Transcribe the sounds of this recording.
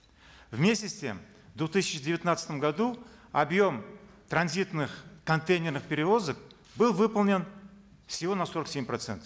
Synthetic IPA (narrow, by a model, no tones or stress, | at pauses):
vmʲesʲɪsʲt̪ʲem | vd̪vʊt̪ɨsʲɪt͡ʃɪdʲɪvɪt̪nat̪sət̪əmɡad̪uɐbjo̞mt̪ɾɐnzʲit̪nɨχkɐnt̪ejnʲernɨχpʲeɾʲɪvo̞zək̚ | bɨlˠvɨpəlˠnʲen | fsʲɪvo̞naso̞ɾəksʲemʲprɐt̪sɛ̰nt̪ə̥